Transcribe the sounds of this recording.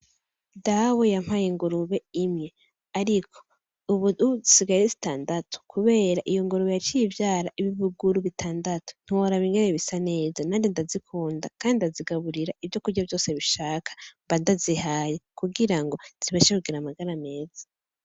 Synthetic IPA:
dawojam̥hajiŋɡuɾuβe̞imɲe̞ | aɾikʰo̞̥ | uβuuβuzisiɡajizi̥taːndatʰo̥kʰuβe̞ːɾaʔijoŋɡuɾuβejat͡ʃiivjaːɾaʔiβiβuɡuɾuβitʰaːndato̥n̥iwoɾaβiŋɡeneβisane̞ːzanaːndindazikʰuːnda̰kaːndidaziɡaβuɾiɾaiβjo̞kuɾɟavjo̞ːse̞βiʃaːkʰḁmbandazihaːjekuɡiɾaŋɡo̞z̥iβaʃakuɡiɾamaɡaɾame̞ːz̥ḁ

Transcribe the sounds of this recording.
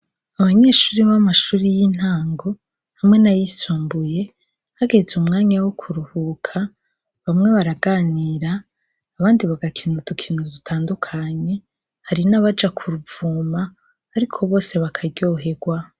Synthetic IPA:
aβaɲe̞ːʃuːɾiβamaʃuːɾijin̥haːŋɡo̞ | hamŋe̞najisoːmbuje̞ | haɡe̞zumŋaːɲawokʰuɾuhukʰa | βamŋe̞βaɾaɡaːniːɾaː | βaːndiβaɡakʰiːnutukʰiːnuzitʰaːndukʰaɲe̞ | haɾinaβad͡ʒakʰuɾuvuːmaː | ɾikʰo̞βo̞ːse̞βakʰaɾɟo̞ɦe̞ɡwa

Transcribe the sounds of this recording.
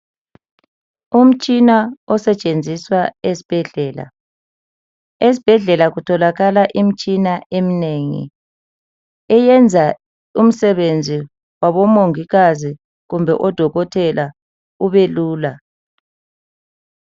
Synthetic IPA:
um̩t͡ʃʼinaɔsɛt͡ʃʼend͡zʱiswaesi̥b̥ʱɛɮɛːla̰ | es̬i̥b̥ʱɛɮɛlaɣutʰɔlaɣalaʔim̩t͡ʃʼinaʔemineŋḭ | ɛjɛnd͡zʱa | um̩sɛβend͡zʱi | waβɔmoŋiɣazi | ɣumbʱɛ̰ʔɔd̥ʱɔɣɔtʰɛla | uβeluːla

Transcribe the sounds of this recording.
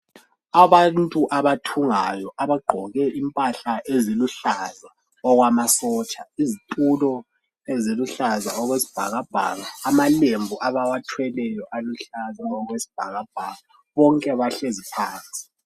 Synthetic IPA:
aβantʼuʔaβatʰuŋajɔʔaβaɡ͡ǃʱɔɣɛʔimpʼaɬaʔeziluɬaza | ɔɣwamasɔːt͡ʃʼaizitʼulɔ | eziluɬazaɔɣwesi̥b̥ʱa̰ɣab̥ʱa̰ːɣaːmalembʱuʔaβawatʰwɛlɛjɔʔaluɬazaɔɣwesi̥b̥ʱaɣab̥ʱaːɣa | βɔŋkʼɛβaɬezipʰaːnt͡sʼi̥

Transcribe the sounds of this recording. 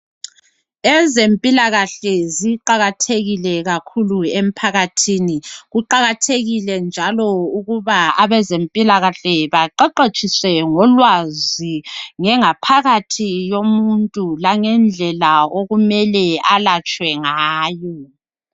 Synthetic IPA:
ɛzempʼilaɣaɬɛziǃaɣatʰeɣilɛɣakʰuluem̩pʰaɣatʰiːniɣuǃaɣatʰeɣilɛnd͡ʒʱalɔuɣuβaaβɛzempʼilaɣaɬɛβaǃɛǃet͡ʃʼiswɛŋɔlwaziŋɛŋapʰaɣatʰijomuntʼulaŋɛnd͡ɮʱɛlaoɣumɛlɛalat͡ʃʼwɛŋaːjɔ

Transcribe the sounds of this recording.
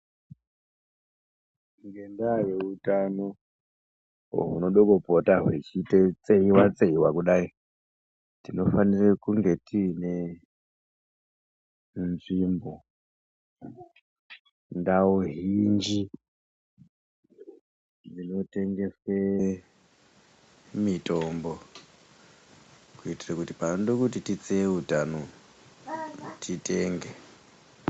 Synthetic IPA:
ŋɡendajeutano̞ | ɦṵno̞ɗokopotaɦwet͡ʃitet͡seiwat͡seiwakuɗai | tino̞fanirekuŋɡe̞tine | nʐimbo̞ | ndaoɦind͡ʒi | d͡zino̞te̞ŋɡe̞swe | mitʼombo | kuitirakutipandokutitit͡seutano | tʰiteːŋɡe

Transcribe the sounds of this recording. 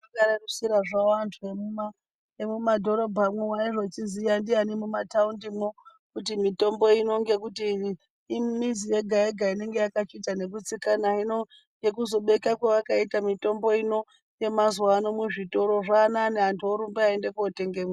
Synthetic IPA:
akaɾarusiɾaʐaantʰuemuma | emumadʱo̞ɾo̞bʱamwewaiʐot͡ʃizijandianimumataundimwo | kut̬imito̞mbo̞ino̞ŋɡe̞k̬utiː | mizije̞ɡʱaeɡʱaine̞ŋɡe̞jakat͡ʃitane̞k̬ut͡sikanaino | ŋɡe̞kuzo̞ɓe̞kakwaʋakaitamito̞mbo̞ino̞ | je̞mazwaːno̞muʐito̞ɾo̞ʐaːnaːneantʰuoɾumbeaende̞kuote̞ŋɡemwa

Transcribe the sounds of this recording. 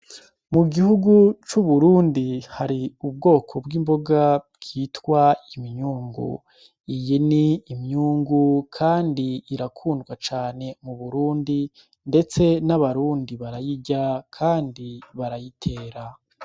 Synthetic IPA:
muɡihuɡut͡ʃuβuɾuːndihaɾiub̚ɡo̞ːkʰo̞bɡimbo̞ɡabɡ̥itwaimiɲuːŋɡṵ | ijiniːmɲuːŋɡukʰaːndiːɾakʰuːndɡwat͡ʃaːne̞muβuɾuːndi | nde̞t͡se̞naβaɾuːndiβaɾajiɟakʰaːndiβaɾajitʰe̞ːɾa

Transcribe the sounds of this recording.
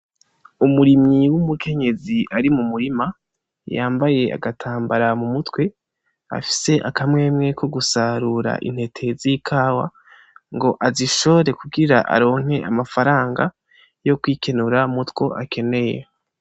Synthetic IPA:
umuɾimŋiwumukʰe̞ɲe̞ziʔaɾimumuɾima | jaːmbaje̞a̰ɡatʰaːmbaɾamumutwe̞ | a̰fi̥se̞ʔakamŋe̞ːmŋe̞kʰo̞ɡusaɾuɾa̰ʔḭn̥he̞tʰe̞zikʰaːwa̰ | ŋɡo̞ʔaziʃo̞oɾe̞kuɡiɾaʔa̰ɾo̞ːŋ̥he̞ʔamafaɾaːŋɡa | jo̞kwiːkʰe̞nuɾamutwo̞ʔakʰe̞ne̞je

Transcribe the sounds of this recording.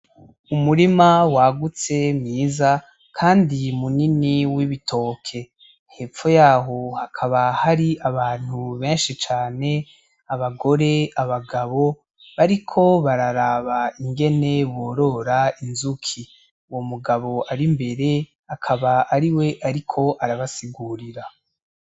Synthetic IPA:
umuɾimawaɡut͡se̞mŋiːza | kʰaːndimuniniwiβitʰo̞ːkʰe̞ | he̞ːp͡fo̞jaːɦo̞hakʰaβahaɾiʔaβaːn̥huβe̞ːnʃit͡ʃaːne̞ | aβaɡo̞ɾe̞aβaɡaβo̞ | βaɾikʰo̞βaɾaɾaβaiŋɡe̞ne̞wo̞ːɾo̞ɾainzukʰi | uwo̞muɡaβo̞aɾimbe̞ɾe̞ | akʰaβaːɾiwe̞ʔaɾikʰo̞ʔaɾaβasiɡuːɾiɾa

